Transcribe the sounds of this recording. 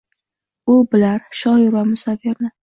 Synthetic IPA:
ʊbɪlaɾʃɒjɪɾvamʊsafeɾnɪ

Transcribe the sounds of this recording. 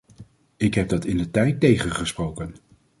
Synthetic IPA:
ɪkɦɛb̚dɑtɪndətɛjtːejχənχəsprowkən

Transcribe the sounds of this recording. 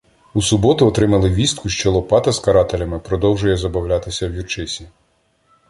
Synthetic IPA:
usʊbɔt̪ʊɔt̪ɾɪmɐlˠɪʋʲist̪kʊʃt͡ʃɔlˠɔpɑt̪ɐskɐɾɑt̪elʲɐmɪpɾɔd̪ɔwʒʊjɛzɐbɐwlʲɑt̪ɪsʲɐwjurt͡ʃɪsʲi

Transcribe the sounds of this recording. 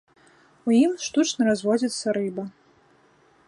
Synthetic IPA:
ujimʂt̪ut͡ʂnɐɾazvɔd͡zʲit̪sːɐɾɨbɐ

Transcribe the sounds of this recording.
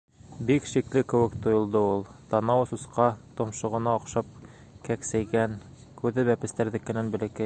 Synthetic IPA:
bikʃiklɘkɘ̆wɘkt̪ŏjŏlˠd̪ɤulˠt̪ɑnɑwsusqɑt̪ŏmʃɤ̆ʁɤ̆nɑŏqʃɑp̚ | kæksæjɡæn | kʉðɘbæpɘ̆st̪æɾðɘ̆kːɘ̆nænbɘ̆lɘ̆kɘ

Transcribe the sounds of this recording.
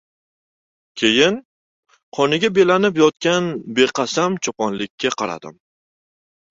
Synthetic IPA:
kʲʰe̞jɪn | qʰɒnɪɡʲabe̞lanɪp̬jɒt̪̚kʲanbeqʰɑsamt͡ʃʰɒpʰɒnlɪkʲʰːaqʰɑɾa̰d̪̥ɪ̰m

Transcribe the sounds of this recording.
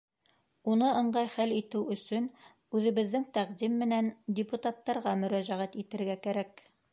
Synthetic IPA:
unɤɤ̆ɴɢɑjχælit̪ɘwɵ̆sɵn | ʉðɘ̆βɘ̆ðːɘŋt̪æqd̪imːɘ̆nændʲɪput̪ɑt̪ːɑɾʁɑmɵ̆ɾæʒæʁæt̪it̪ɘ̆ɾɡækæɾæk

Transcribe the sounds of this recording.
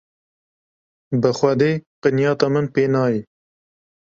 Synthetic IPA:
bəxʷɛd̪eːqɨnjɑːt̪ɑmənpeːnɑːji

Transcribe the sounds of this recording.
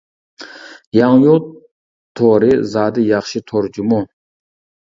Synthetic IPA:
jɑŋjo | t̪ʰːoɾɪzɑːd̪ɪjɑχʃit̪ʰoɾd͡ʒumo

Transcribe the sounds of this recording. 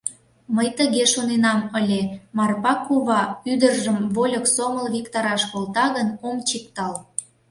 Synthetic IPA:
məjt̪əɣeʃonenɑməlʲemɑrpɑkuβɑyd̪ərʒəmβolʲəksoməlβʲikt̪ɑɾɑʃkolt̪ɑɣənomt͡ɕik̚t̪ɑl

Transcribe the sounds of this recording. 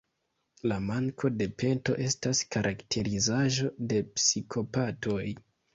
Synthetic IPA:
lamaŋkʰo̞de̞pe̞nto̞̰ʔe̞staskaɾʔaktʰe̞ɾizaʒo̞de̞psikʰo̞pato̞j

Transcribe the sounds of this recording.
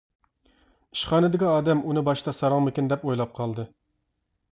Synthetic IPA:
i̥ʃχɑːnɨd̪ɪkʲiɑːd̪ɛmʔunɨbɑʃt̪ɑsɑɾɑŋmɪkʲind̪ɛpojlˠɑp̚qʰɑlˠd̪ɨ

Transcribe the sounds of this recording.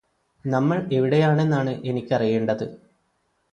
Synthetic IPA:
nɐmːɐɭe̞ʋiɽe̞jaːɳe̞nːaːɳɨʔe̞nikʲːɐrije̞ːɳɖɐðɨ

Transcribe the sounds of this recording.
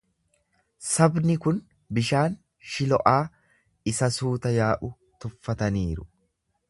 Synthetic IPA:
sɐbnɪkʊn | bɪʃaːn | ʃɪlɔʔaː | ɪsɐsuːt̪ɐjaːʔʊ | t̪ʊfːɐt̪ɐniːɾʊ

